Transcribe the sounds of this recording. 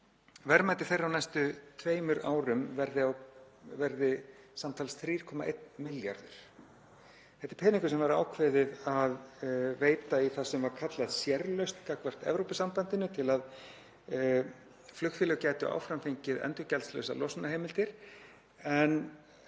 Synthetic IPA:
vɛɾmajt̪ɪ̥θejrːawnajst̪ʏt̪ʰveːjmʏɾa̰ːwɾʏmvɛɾðɪaw | vɛɾðɪ | samt̪ʰaːlsθɾiːɾ̥kʰɔmaʔḛjt̪nmɪlja̰ɾðʏ̰ɾ̥ | θɛht̪ɪ̥ɾ̥pʰɛːnĩŋkʏsɛmvaɾa̰ːwkʰvɛːðɪðaðveːjt̪aiθasɛmvaɾkʰat̪laðsjɛɾlœɥst̪kakvɛr̥t̪ɛ̰vɾowpɪsampant̪ɪnʏt̪ʰɪlað | flʏxtfɪlɛɣcɛːjt̪ʏʔa̰ːwfɾamfiɲcɪðɛ̰nt̪ʏcɛlslœ̰wsa̰lɔsnahejmɪlt̪ɪɾ̥ | ɛn

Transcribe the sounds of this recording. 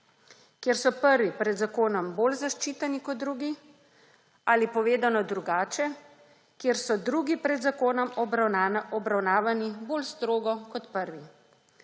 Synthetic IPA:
kjeɾsɔpəɾʋipɾɛd̪zakoːnɔmboːlzaʃt͡ʃiːt̪ɛnikɔd̪̚d̪ɾuːɡi | aːlipɔʋeːd̪anɔd̪ɾuɡaːt͡ʃɛ | kjeːɾsɔd̪ɾuːɡipɾɛd̪zakoːnɔm | ɔbɾawnaːʋaniboːlst̪ɾoːɡɔkɔt̪pəɾʋi

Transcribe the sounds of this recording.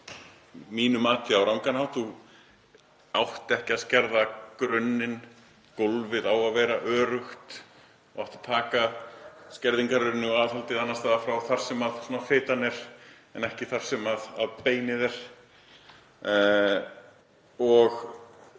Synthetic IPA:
miːnʏmaːt̪ʰɪawɾawŋkanhawθu | awht̪ɛhcɪaðscɛɾðakɾœnːɪn | kolvɪðawaðvɛːɾaʔœːɾʏxt̪ | ɔɔht̪ḁt̪ʰaːkascɛɾðiŋkaɾʏnːɪaːðhalt̪ɪðanːast̪aːðafɾawθaɾ̥sɛmaðsuɔːnafɪːt̪anɛɾ̥ | ɛnɛhcɪθaɾ̥sɛmaða̰ðpeːjnɪðɛɾ̥ | ɔɣ

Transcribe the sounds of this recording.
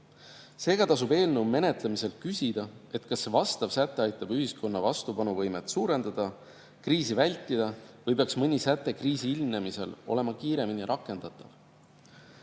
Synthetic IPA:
se̞ːɡ̥ɑt̪ɑs̬ube̞ːlnewme̞ne̞t̪lemise̞lkysʲid̪̥ɑe̞t̪ːˑkɑsːvɑst̪ɑvsæt̪ːˑeɑjt̪ːˑɑbyɦisko̞nːɑvɑst̪upɑnuvɤjmet̪suːɾe̞nd̪̥ɑd̪̥ɑ | kriːsivælʲt̪ˑːid̪̥ɑvɤjpeɑksmɯnʲisæt̪ːˑe̞kriːsiilmne̞mise̞̰lo̞̰le̞mɑkiːɾe̞miniɾʔɑkːˑe̞nd̪̥ɑt̪ːˑɑv

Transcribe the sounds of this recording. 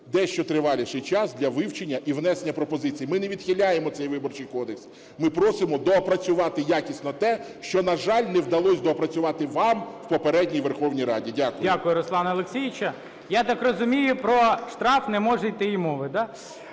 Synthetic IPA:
d̪ɛʃt͡ʃɔt̪ɾɪʋɑlʲɪʃɪjt͡ʃɑsd̪ʲlʲɐʋɪwt͡ʃenʲːɐʔiwnɛsenʲːɐpɾɔpɔzɪt͡sʲijimɪneʋʲid̪̥xʲilʲːajemɔt̪sɛjʋɪbɔrt͡ʃɪjkɔd̪eks | mɪpɾɔsɪmɔd̪ɔːpɾɐt͡sʲʊʋɑt̪ɪjakʲisʲnɔt̪ɛ | ʃt͡ʃɔnɐʒɑlʲnɛwd̪ɐlˠɔsʲd̪ɔɔpɾɐt͡sʲʊʋɑt̪ɪʋɑmwpɔpeɾɛdʲnʲijʋerxɔwnʲijɾɑdʲidʲakʊjdʲakʊjʊɾɔslˠɑnɐlˠeksʲijɪt͡ʃɐ | jat̪ɑkrɔzʊmʲijʊpɾɔʃt̪ɾɑfnɛmɔʐɛjt̪ɪimɔʋɪd̪a

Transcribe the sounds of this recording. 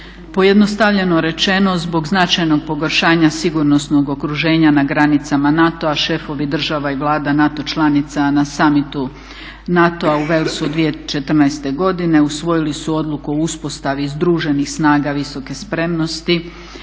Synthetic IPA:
po̞je̞d̪no̞st̪aʋʎe̞no̞ɾe̞t͡ʃe̞no̞zbo̞ɡznat͡ʃajno̞ɡ̚po̞ɡoɾʃaːɲasiɡuɾno̞sno̞ɡo̞kɾuʒe̞ːɲanaɡɾanit̪samanat̪o̞aʃe̞fo̞ʋid̪r̩ʒaʋaiʋlˠaːd̪anat̪o̞t͡ʃlˠanit̪sanasamit̪u | nat̪o̞auʋe̞lisud̪ʋije̞t͡ʃe̞t̪r̩najst̪e̞ɡo̞d̪ine̞usʋo̞jilisuo̞d̪lˠukuouspo̞st̪aʋizd̪ɾuːʒe̞nixsnaːɡaʋiso̞ke̞spɾe̞mno̞st̪i

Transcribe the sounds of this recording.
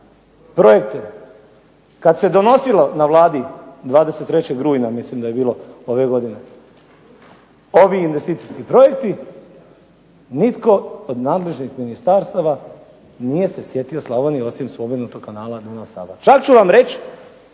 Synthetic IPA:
pɾo̞je̞kt̪e | kad̪se̞d̪o̞no̞silonaʋlˠaːd̪id̪ʋaːd̪e̞set̪ːɾet͡ɕeɡɾuːjnamislimd̪aje̞biːlo̞o̞ʋe̞ɡo̞d̪ine | o̞ʋiːnʋe̞st̪iːt̪siskipɾo̞je̞kt̪i | nit̪ko̞od̪naːd̪le̞ʒnixminist̪aːɾst̪aʋa | nije̞se̞sje̞t̪ioslˠaʋonio̞simspo̞benut̪o̞ɡ̥kanaːlad̪unasa̰ːbat͡ʃakt͡ɕuʋamɾe̞t͡ɕ

